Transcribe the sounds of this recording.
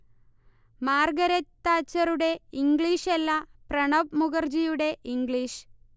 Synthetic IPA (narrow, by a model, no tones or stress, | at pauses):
maːrɡɐɾɐt̪ːaːt͡ɕːɐɾuɽe̞iŋɡɭiʂelːɐprɐɳɐpmuɣɐrd͡ʑijuɽe̞ʔiŋɡɭiːʂ